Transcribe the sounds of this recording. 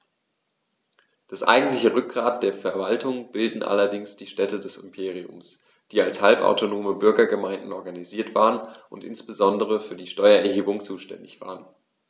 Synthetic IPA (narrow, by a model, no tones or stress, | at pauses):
d̥asʔa̰ɪɡŋ̩tlɪçəʁʏk̚ɡ̥ʁaːt̚d̥eːɐfɛɐvaltʰʊŋb̥ɪldn̩ʔa̰lɐdɪŋsd̥iːʃtɛtədɛsɪ̰mpʰeːʁ̞iʊ̰ms | d̥iːalshalpa̰ʊtʰonoːməbʏɐɡɐɡəmaɪndn̩ʔɔɐɡaniziːɐtv̥aːʁənʔʊntʔɪ̰nsb̥əzɔndəʁ̞əfyːɐdiːʃtɔʏɐɛɐɦeːbʊŋt͡suːʃtɛ̰ndɪçv̥a̰ːʁən